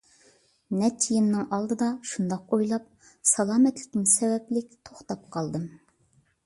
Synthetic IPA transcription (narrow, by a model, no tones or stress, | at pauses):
nɛt͡ʃʰijinːɨŋʔɑlˠd̪ɨd̪ɑʃund̪ɑqojlˠɑp̚ | sɑlˠɑːmɛt̪lɪ̥kʲɪnsɛwɛplɪkʲt̪ʰoχt̪ɑp̚qʰɑlˠd̪ɨm